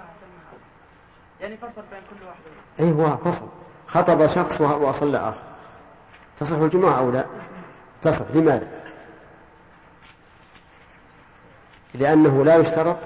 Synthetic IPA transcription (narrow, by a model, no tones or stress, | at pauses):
ʔiːɦʊwafɑsˤl | xɑt̪ˤɑbɑʃɑxsˤwwʔɑsˤɑlːa̰ʔa̰ːxɪɾˤ | t̪ɑsˤɨħːald͡ʒʊmaʕʔawlaː | t̪ɑsˤɨħlɪmaːða | lɪʔanːaɦʊlajʊʃt̪ɑɾˤɑt̪ˤ